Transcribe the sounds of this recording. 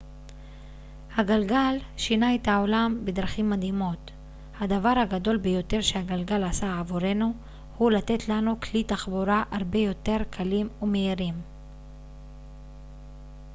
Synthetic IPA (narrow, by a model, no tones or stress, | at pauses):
haɡalɡalʃinaethao̞lambed̪ʁaχimːad̪himo̞t | had̪avaʁhaɡado̞lbejo̞te̞ʁʃe̞haɡalɡalasaavuɾe̞nu | hulat̪e̞tlanuklitaχboɾaʔaʁbe̞jo̞t̪e̞ʁkʰalimumeiʁim